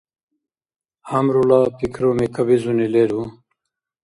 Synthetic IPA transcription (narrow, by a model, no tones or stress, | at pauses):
hamɾulapikʰɾomekʰabizunileɾu